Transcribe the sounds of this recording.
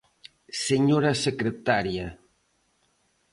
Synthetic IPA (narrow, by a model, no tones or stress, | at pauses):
seɲoɾasekɾet̪aɾja